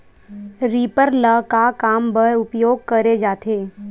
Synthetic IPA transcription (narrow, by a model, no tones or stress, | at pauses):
ɾiːpəɾləkakaːmbəɾʊpjoːɡ̚kəɾed͡ʒaːt̪ʰeː